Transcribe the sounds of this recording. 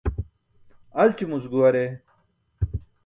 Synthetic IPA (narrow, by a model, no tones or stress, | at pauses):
ɐlt͡ɕimusɡuwɐɾe